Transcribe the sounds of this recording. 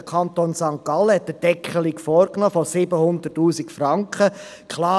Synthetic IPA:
əkʰɑnt̪oːnsɑŋkɑləhɛt̚ːəd̥ɛkʰχəlikfɔːɾknoːfɔsɪbəhʊnd̪ətːuːsikfrɑŋkχə | kʰlɑː

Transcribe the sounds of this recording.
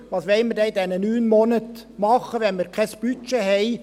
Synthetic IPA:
ʋɑːsʋɛlmɪɾdɛɪdɛnənyːnmɔnət̪mɑχːəʋɛnmɪɾkʰɛsb̥yt͡ʃeɦɛɪ

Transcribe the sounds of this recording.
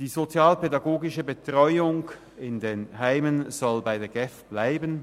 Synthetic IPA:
d̥iːzot͡sjaːlpedaɡoːɡɪʃəbətʁ̥ɔʏʊŋ | ɪndeːnɦaɪmənz̥ɔlbaɪdeːɐɡɛfb̥laɪbən

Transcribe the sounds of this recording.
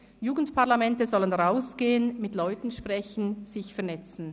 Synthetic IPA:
juːɡən̩tpʰaʁlamɛntəzɔlənʁaʊsɡ̥eːənmɪtlɔʏtn̩ʃpʁ̥ɛn̩z̥ɪçfɛɐnɛt͡sn̩

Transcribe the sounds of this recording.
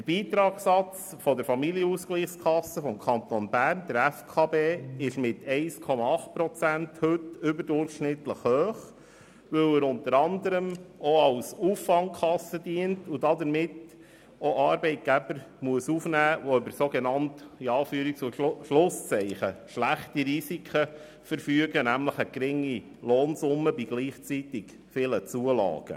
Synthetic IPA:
d̥əɾb̥iːt̪ɾɑːksɑt͡sfɔdəɾfɑmiljəusɡ̥liːχskʰɑsːəfɔmkʰɑnt̪onbæːɾnd̥̪əɾæfkʰɑːbeːɪʃmɪtɛɪskʰɔmɑɑχtpɾɔt͡sænthɵtʏbəɾdʊɾχʃnɪtləχhøːχ | ʋɵwəɾʊnt̪əɾɑnd̪əɾəmoɑʊsuːfːɑŋkʰɑsəd̥iəntʊdɑdəɾmɪt | oʔɑːɾbɛɪt̚ɡ̥æbəɾmuəsufnæːʋɔøbəɾsoɡenɑntiɑːfyːəɾik̚t͡suʃlʊst͡sɛɪχəʃlæχtiɾisikʰə | fəɾfyəɡənæmləχəɡ̥ɾɪŋːi | loːnsʊmːəbiɡliːχt͡sit̪ɪɡ | fɪlət͡suəlɑ̰ːɡ̥ə̰

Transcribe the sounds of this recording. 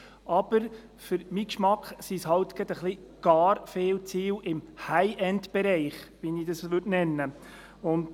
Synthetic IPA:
ʔɑb̥əɾ | fʏɾmikʃmɑkχsishɑlt̪ɡ̥ɛd̪əχli | ɡ̥ɑːɾfeːlt͡siːwʔɪmhæɪʔɛndb̥ɛɾɛɪχʋinidɑsʋʏtnɛnːə | ʊnt

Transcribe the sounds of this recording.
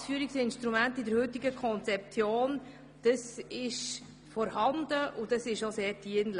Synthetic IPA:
sfyəɾiksɪnʃtɾumæntɪdəɾhʏt̪ɪɡəkʰɔnt͡sɛp̚t͡sjoːn | d̥əsɪʃ | fɔɾhɑnd̪əʔudəsɪʃoseːdiənl

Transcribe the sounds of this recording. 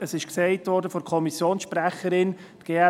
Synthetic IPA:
əsɪʃksɛɪtʋɔɾdəfɔdɾkʰɔmisjoːnsʃpɾæχəɾɪn̥ | ɡ̥eːɛ

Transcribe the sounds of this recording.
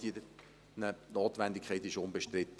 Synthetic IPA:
id̪ə | nənoːt̪ʋænd̪ɪkʰɛɪt̪ɪʃʊnbeʃtɾɪt̪ː

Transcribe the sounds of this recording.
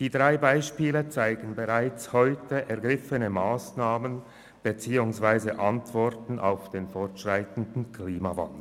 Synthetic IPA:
d̥iːdʁaɪbaɪʃpiːlət͡saɪɡən̩beʁaɪt͡shɔʏtəʔɛɐɡʁɪfənəmaːsnaːmən | b̥ət͡siːʊŋsv̥aɪzəʔantv̥ɔʁtn̩ʔa̰ʊfd̥eːnfɔʁtʃʁ̥aɪtn̩dn̩kʰliːmava̰ndl̩

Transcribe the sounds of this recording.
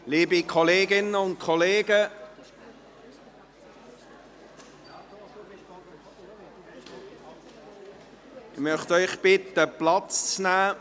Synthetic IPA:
liːbikʰɔleːɡɪnəʊnt̚kʰɔleːɡə | ɪmœχtœʏχb̥ɪt̪əplɑt͡st͡snæː

